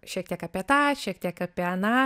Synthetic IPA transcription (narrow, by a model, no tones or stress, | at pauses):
ʃʲiɛk̚t̪ʲiɛkɐpʲiɛt̪ɑːʃʲiɛk̚t̪ʲiɛkɐpʲiɛɐnɑː